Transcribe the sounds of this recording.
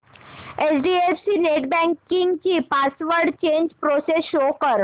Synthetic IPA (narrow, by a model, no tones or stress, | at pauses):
esɖiefsineʈbɛ̃ŋkiŋɡt͡ɕipasʋəɾɖt͡ɕeɲd͡ʑpɾosesʃokəɾ